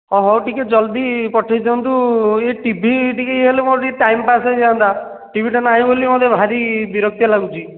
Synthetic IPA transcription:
ɔɦɔwʈiked͡ʒɔld̪ipɔʈʰajt̪ʰɔnt̪ueʈibʱiʈikeeɦelemoɾʈiʈajmpased͡ʒaand̪a | ʈibʱiʈanaɦĩbolimɔd̪ʱebʱaɾibiɾɔk̚t̪jalaɡut͡ʃʰi

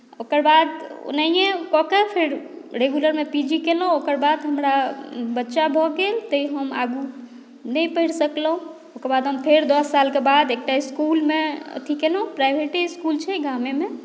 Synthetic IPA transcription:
okəɾbad̪o̰naijekɔkepʰeɾɾeɡuləɾmepid͡ʒikelũokəɾbad̪ɦəmɾabətːʃabʱɔɡelt̪əiɦəma̰ɡu | nəjpəɦiɽsəkləɦũ | okəɾbad̪ɦəmpʰeɾd̪əsːalkebad̪ek̚ʈaiskulmḛt̪ʰikelũpɾajbʱeʈiskult͡ʃʰɛɡameme

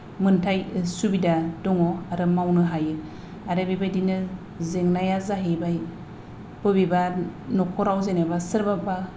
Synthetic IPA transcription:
mɯntʰajsubidadɔŋɔaɾɯmawnɯɦajɯɾ | aɾɯbibajdinɯ | zeŋnajazaɦibaj | b̥ɯbibanɔkʰɔɾawzenebasɯɾbaba

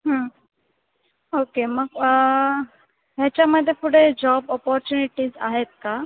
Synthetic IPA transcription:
ɦə̃ | okeməɡ | ɦjat͡ɕjaməd̪ʱːjefuɽed͡ʑɔbɔpɔɾt͡ɕuniʈiːza̰ɦet̪̚ka

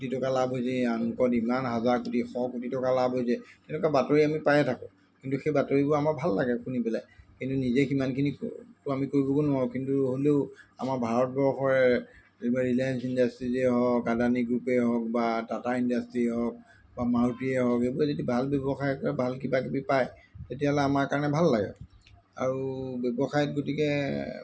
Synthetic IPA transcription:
kutitɔkalabɦojsɛanukɔtimanɦazaɹkutixɔkutitɔkalabɦojs̬ɛtɛnɛkabatoɹiamipajɛtʰakʊ̃ | kintuxejbatoɹibʊɹamabʱalːaɡɛkunipɛlajkintunizɛximankʰiniktamikoɹibɔkonʊakintuɦoleʊa̰maɹbʱaɹɔt̚bɔɹxɔɹɛ | baɹilajansindastɹizɛɦɔkadaniɡɹupɛɦɔk̚badataindastɹiɛɦɔk̚ | bamautiɛɦɔkebuɹɛzodibʱalbɛbɔxajɔɔɹɛbʱalkibakibipaj | tetialɛamaɹkaɹɔnɛbʱalːaɡɛ̰ | a̰ɹubɛbɔxajɔt̚ɡotikɛ

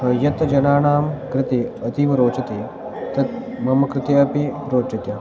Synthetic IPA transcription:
ɦɐjɐt̪d͡ʒɐnaːɳaːmkɾɪt̪iɐt̪iʋɐɾoːt͡ʃɐt̪iː | t̪ɐt̪̚ | mɐmɐkɾɪt̪eɐpiɾoːt͡ʃɐt̪ja

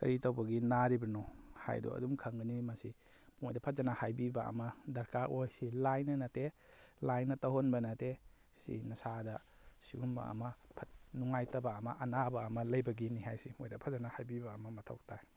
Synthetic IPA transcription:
kɐ̰ɾitawbɐɡinaɾibɐnɔha̰jdṵɐ̰dumkʰɐŋɡɐnimɐsi | mojdɐpʰɐt̚zanahajbibaɐ̰mɐdɐɾkaʔojsilajnɐnɐtelajnɐtɐɦonbɐnɐte | sḭnɐsadɐ | siɡumbɐ̰ɐ̰mɐpʰɐt̚nuŋajtɐbaːmɐʔɐnabɐːmɐlɐjbɐɡiniɦajsimojdɐpʰazanahajbibaːmɐmɐtʰo̰wk̚tʰaj

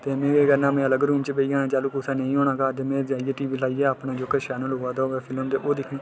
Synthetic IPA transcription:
t̪eːmẽːkekəɾnãːmɛ̃ːələɡɾuːmt͡ʃəbeiːaːnaːt͡ʃaːluːkʊsaːnẽĩːɦoːɳaːkaːt̪eːmɛ̃ːd͡ʒaːiːeːʈiːʋiːlaːiːeːaːpnaːd͡ʒoːkəʃaːnəloːaːd̪aoːɛːpʰɪləmt̪eːʔoːd̪ɪkʰnĩː

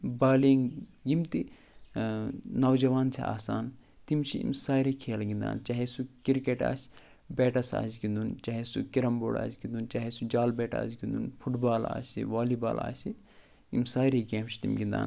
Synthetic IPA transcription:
baːliːŋɡimt̪i | nɐwd͡ʒɐʋaːnt͡ʃʰḭa̰ːsaːn | t̪imt͡ʃʰiḭmsaːɾekʰeːlɡind̪a̰ːnt͡ʃɐɦesukiɾkeʈa̰ːsʲ | beːʈɐsa̰ːsɡind̪unt͡ʃɐɦesukiɾɐmbo̰ːɽa̰ːsɡind̪unt͡ʃɐɦesud͡ʒaːlbeːʈa̰ːsɡĩnd̪unpʰuʈbaːla̰ːsḭʋaːliba̰ːla̰ːsi | imsaːɾeɡeːmt͡ʃʰi̥t̪imɡind̪a̰ːn

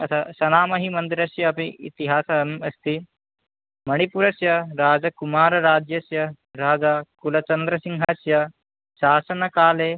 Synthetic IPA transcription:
ɐt̪ʰaʃɐnaːmɐɦimɐnd̪iɾɐsjɐːpiḭt̪iɦaːsɐmɐst̪i | mɐɽ̃ipuɾɐsjɐɾaːd͡ʒɐkumaːɾɐɾaːd͡ʒjɐsjɐ | ɾaːd͡ʒaːkulɐt͡ʃɐnd̪ɾɐsiŋɦɐsjɐ | ʃaːsɐnɐkaːleː

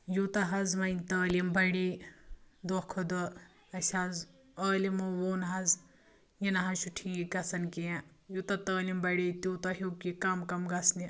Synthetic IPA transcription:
jut̪ɐɦɐzmɐjnʲt̪əːlimbɐɽi | d̪okʰod̪ɐ | ɐʃʲaz | ɐːlimɐwoːnɦɐz | jinɐɦɐʃuʈʰĩːikɐsɐnkijã | jut̪ɐt̪əːlimbɐɽit̪uːt̪ɐɦukikɐmkɐmɡɐsni

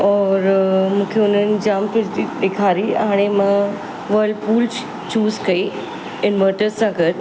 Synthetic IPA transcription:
ɔːɾmũːkʰeʊnənɪ̆d͡ʑaːmtəiɗ̪ekʰaːɾiɦaːɽ̃emã | ʋɐɾlɖpuːl | t͡ɕuːzkɐi | ɪnməːʈəɾzsãkɐɾ

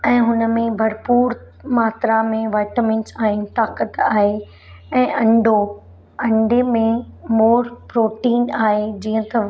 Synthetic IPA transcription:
ɛ̃ːɦʊnə̆mẽbʱɐɾpuːɾ | maːt̪ɾamẽʋaːɪʈəmɪ̃nsaːɦɪnɪ̆t̪aːkət̪aːɦe | ɛ̃ːʔɐ̃ɳɖʱo | ɐ̃ɳɖemẽmoːɾpɾoːʈiːnaːɦed͡ʑiːə̃t̪ɐ

